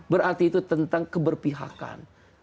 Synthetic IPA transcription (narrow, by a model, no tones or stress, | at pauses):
bəɾart̪iːt̪ut̪ənt̪aŋkəbərpiɦa̰ka̰n